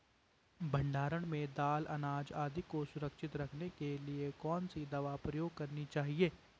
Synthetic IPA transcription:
bʱɐ̃ɳɖaːɾəɽ̃mẽd̪aːlʔɐ̰naːd͡ʒaːd̪ʱikosʊɾəkʃɪt̪ɾɐkʰnekeliekɔːnsid̪ɐʋapɾɐjoːɡ̚kɐɾnit͡ʃaːɦieː

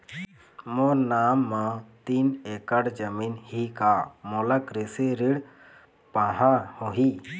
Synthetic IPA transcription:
mɔɾnamːãt̪inekaɽd͡ʒəminhikamɔlakɾiseɾiɽ | pãɦãhõɦi

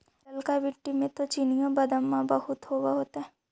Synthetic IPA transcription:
ɐlkaʋɪʈːimẽt̪ot͡ʃinijãbɐd̪əmːãbɐhʊt̪ɦoːwaɦoːt̪aɦɛ

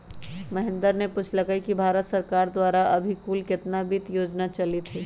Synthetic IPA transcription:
mɐɦɪ̃nd̪əɾnepʊt͡ʃləkəikibʱaːɾət̪sɐɾkaːɾd̪waːɾaʔɐbʱikuːlkɪt̪nabit̪joːd͡ʒnat͡ʃɐlit̪ʰiː

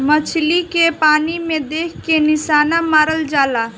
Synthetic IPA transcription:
mət͡ʃʰlikepaːnimẽd̪eːkʰkenɪʃaːnamaːɾəld͡ʒaːlaː

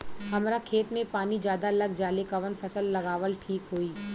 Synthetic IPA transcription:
hɐmɾakʰeːt̪mẽpaːnid͡ʒjaːd̪aɐlɐɡ̚d͡ʒaːlekɐʋənfʰɐsəlːɐɡaːʋəlʈʰiːkɦoːiː

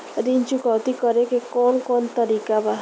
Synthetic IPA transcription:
ɾint͡ʃukɔwt̪ikɔɾekekɔnkɔnt̪ɔɾikaba

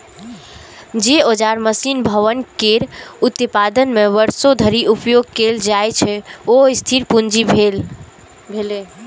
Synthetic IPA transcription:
d͡ʒeod͡ʒaɾməsinbʱəʋənkeɾut̪pad̪ənmeʋəɾsod̪ʱəɾiʔupjoɡ̚keld͡ʒajt͡ʃʰɛoist̪ʰiɾpund͡ʒibʱel | l

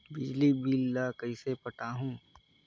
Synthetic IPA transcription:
bɪd͡ʒlibiːlːakɐisepɐʈaːɦũː

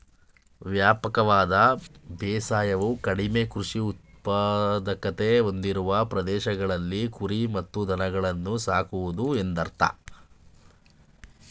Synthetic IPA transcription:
ʋjaːpɐkɐʋaːd̪ɐbɛːsaːjɐʋukɐɽime̞kɾuʂiut̪̚ | pad̪ɐkɐt̪e̞o̞nd̪iɾuʋɐpɾɐd̪ɛːʃɐɡɐɭɐlːikuɾimɐt̪ːud̪ʱɐnɐɡɐɭɐnːusaːkuʋud̪ue̞nd̪ɐɾt̪a̰

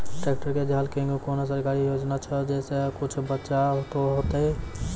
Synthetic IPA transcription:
ʈek̚ʈəɾked͡ʒalkẽŋɡukonos̬əɾkaːɾijoːd͡ʒnat͡ʃʰəd͡ʒɛːsekʊt͡ʃʰbətːʃaɦt̪oɦot̪e

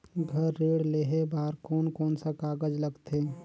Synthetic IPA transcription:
ɡʱəɾːeːɽleːɦebaːɾkɔːnkɔːnsakaːɡəd͡ʒləɡt̪e

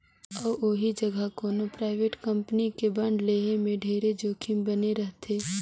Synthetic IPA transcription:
ɔːoɦid͡ʒəɡʱakoːnopɾaːɪʋeːʈkɐ̃mpnikebɐ̃ɳɖleːɦemẽɖʱeːɾed͡ʒoːkʰimbɐneɾɐɦt̪ʰeː

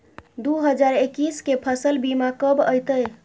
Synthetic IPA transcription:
d̪uɦəd͡ʒaɾekiskepʰəsəlbimakəbəjt̪əj

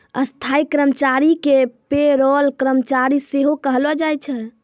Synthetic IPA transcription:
ə̰st̪ʰaikɾəmt͡ʃaɾikepeɾɔlkɾəmt͡ʃaɾiseɦokəɦlɔd͡ʒajt͡ʃʰɛ

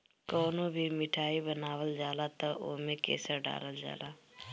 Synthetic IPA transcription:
kɔːnobʱimɪʈʰaːibənaːwəld͡ʒaːlat̪ɐʔo̰ːmẽkḛːsəɾɖa̰ːləld͡ʒa̰ːlaː

